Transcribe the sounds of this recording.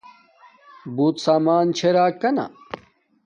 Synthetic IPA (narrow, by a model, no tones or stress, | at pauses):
buːt̪saːmaːnt͡ɕʰeɾaːkːɐna̰